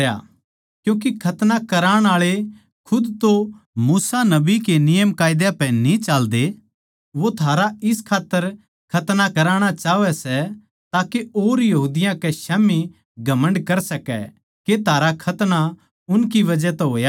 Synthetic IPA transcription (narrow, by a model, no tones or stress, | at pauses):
ja̰ | kjũːk̬ekʰɐt̪nakɐɾaːɽ̃aːɭe | kʰʊd̪t̪o | muːsanɐbikenɪjəmkaːɪd̪japɛ̃nĩt͡ʃaːld̪e | ʋot̪ʰaːɾaɪskʰaːt̪ːəɾ | kʰɐt̪nakɐɾaːɽ̃at͡ʃaːʋɛsɛ | t̪aːkeoːɾjɐɦuːd̪ɪjãkɛʃɛːmi | ɡʱɐmə̃ɳɖkɐɾsɐkɛ̰ | ket̪ʰaːɾakʰɐt̪na | ʊnkiʋɐd͡ʒɛt̪ɛɦoːja